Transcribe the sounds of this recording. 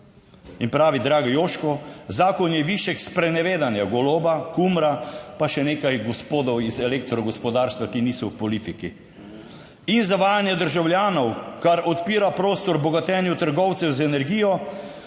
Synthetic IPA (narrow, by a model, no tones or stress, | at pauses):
inpɾaːʋid̪ɾaːɡɔjoːʃkɔzaːkɔnjɛʋiʃɛkspɾɛnɛʋeːd̪anjaɡɔloːbakumɾapaʃɛneːkajɡɔspoːd̪ɔwizɛlekt̪ɾɔɡɔspɔd̪aːɾst̪ʋakiniːsɔwpɔliːt̪iki | inzaʋaːjanjɛd̪əɾʒawljaːnɔwkaɾɔt̪piːɾapɾoːst̪ɔɾbɔɡat̪ɛːnjut̪əɾɡɔwt̪sɛwzɛnɛɾɡiːjɔ